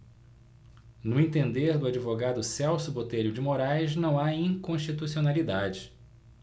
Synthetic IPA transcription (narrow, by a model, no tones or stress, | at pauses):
nʊẽnt̪ẽnd̪eɾd̪ʊad͡ʒivoɡad̪ʊsɛwsʊbot̪eɾʊd͡ʒɪmoɾajznɐ̃w̃aĩŋkõʃt͡ʃit̪usionalid̪ad͡ʒɪ